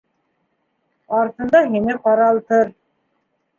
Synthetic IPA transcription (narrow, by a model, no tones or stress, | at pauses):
ɑɾt̪ɤ̆nd̪ɑɦinɘqɑɾɑlˠt̪ɤɾ